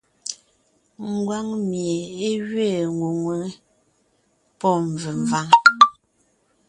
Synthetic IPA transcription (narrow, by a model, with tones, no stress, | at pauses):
ŋ̩˨ɡwa˦ŋmje˨e˦ɣɥe˦˨ŋu˨ŋwə˦ | pɔ˦˨ɱ˨və˨ɱ˨va˦ŋ